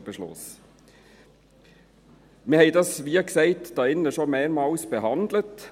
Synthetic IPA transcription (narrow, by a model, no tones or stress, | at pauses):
b̥əʃlʊ̰s | mɪhɛɪdɑsʋiːksɛɪtd̥ɑːɪnːəʃomeːɾmɑːlsb̥ɛɦɑnd̪lət